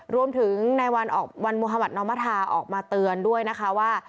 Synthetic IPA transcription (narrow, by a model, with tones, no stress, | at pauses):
ɾu˧əmt̪ʰɯ˩˦ŋna˧jwa˧nʔɔ̰ː˨˩k̚wa˧nmoː˧ɦaː˧ba˨˩t̪̚nɔː˧˥maː˦˥t̪ʰaː˧ʔɔ̰ː˨˩k̚maː˧t̪ɯ˧əndu˥˩əjna˦˥kʰa˦˥waː˥˩